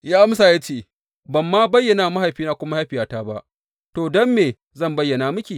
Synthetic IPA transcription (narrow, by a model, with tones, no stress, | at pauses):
jaː˦ʔa˦msaː˨ja˦t͡ʃeː˦˨ | bɐ˨mːaː˦bɐ˦jːɐ˨naː˨ma˦ɦa˨jɸiː˦naː˦kʷʊ˦ma˦ha˦ɸɪ˨jaː˦taː˦ba˦ʔ | toː˨dɔ˦mːeː˨ | zɐ˦˨mbɐ˦jːɐ˨na˨mʊ˦kʲiː˨